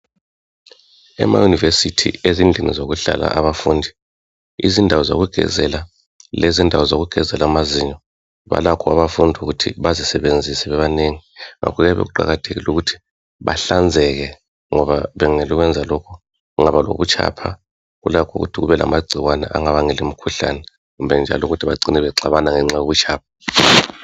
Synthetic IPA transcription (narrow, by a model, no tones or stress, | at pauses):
ɛ̰ma̰junivesitʰḭezind͡ɮʱinḭzoɣuɬa̰la̰ʔaβafuːndʱi | izindʱawɔzo̰ɣuɡ̥ʱɛ̰zɛla | lezindʱawɔzoɣuɡ̥ʱɛzɛlamaziɲɔ | βa̰lakʰɔaβafundʱuɣutʰḭβazisɛβend͡zʱisɛβɛβaneŋiŋa̰kʰɔɣɛβḛɣuǃa̰ɣatʰeɣḭluɣutʰi̥ | βa̰ɬand͡zʱɛɣɛ | ŋɔβaβɛŋeluɣwɛnd͡zʱalɔkʰɔ | ŋaβalo̰βut͡ʃʰʼa̰pʰa̰ | ɣṵlakʰṵɣṵtʰiɣuβɛla̰maɡ͡ǀʱiɣwanɛ̰ʔa̰ŋaβaŋɛlimikʰuɬa̰nɛ | ɣumbʱɛnd͡ʒʱa̰luɣutʰiβaǀinɛβɛǀaβanaŋɛŋ͡ǀajoβut͡ʃʰʼaːp̚ʰḁ